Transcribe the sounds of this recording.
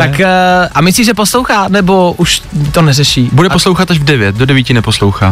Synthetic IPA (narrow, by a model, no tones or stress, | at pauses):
t̪akʔamɪsliːʒɛposlowxaːnɛboʔuʃt̪onɛrɛʃiːbudɛposlowxat̪aʒvdɛvjɛt̪̚dodɛviːcɪnɛpo̞slowxa̰ː